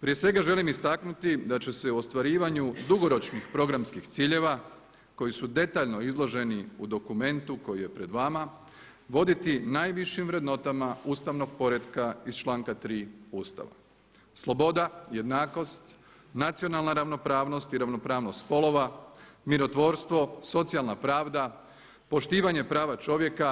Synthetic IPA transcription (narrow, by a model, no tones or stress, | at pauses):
pɾije̞sʋe̞ɡaʒe̞limist̪aknut̪id̪at͡ɕe̞se̞uo̞st̪ʋaɾiːʋaɲud̪uɡo̞ɾo̞t͡ʃnixpɾo̞ɡɾamskixt̪siːʎe̞ʋa | ko̞jisud̪e̞t̪aːʎno̞izlˠo̞ʒe̞niud̪o̞kume̞nt̪uko̞jije̞pɾe̞d̪ʋama | ʋo̞d̪it̪inaːjʋiʃimʋɾe̞d̪no̞t̪amauːst̪aʋno̞ɡ̚po̞ɾe̞d̪kaizt͡ʃlˠaːŋkat̪ɾiːuːst̪a̰ʋa̰ | slˠo̞bo̞d̪aje̞d̪naːko̞st̪ | nat̪sijo̞nalˠnaɾaʋno̞pɾaːʋno̞st̪iɾaʋno̞pɾaːʋnost̪spo̞lo̞ʋamiɾo̞t̪ʋo̞ːɾst̪ʋo̞so̞t̪sialˠnapɾaːʋd̪a | po̞ʃt̪iːʋaɲe̞pɾaːʋat͡ʃo̞ʋje̞ka